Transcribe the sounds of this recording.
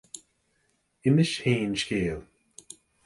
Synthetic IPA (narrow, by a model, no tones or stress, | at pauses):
ɪmɪʃheːnʃkeːlˠ